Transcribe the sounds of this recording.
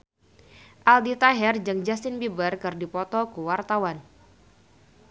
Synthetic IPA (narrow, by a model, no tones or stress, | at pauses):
ʔaldit̪aɦɛrd͡ʒəŋd͡ʒasɪnbibərkɨrdipɔt̪ɔkəwart̪awan